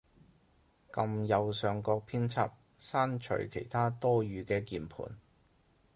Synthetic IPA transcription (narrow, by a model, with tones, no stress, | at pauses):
kɐ˧mjɐ˨wsœː˨ŋkɔː˧k̚pʰiː˥nt͡sʰɐ̰˥p̚ | saː˥nt͡ʃʰɵ̰˨˩ɥkʰe˨˩jt̪ʰaː˥t̪ɔː˥ɥyː˨˧kɛː˧kiː˨˧npʰṵː˨˩n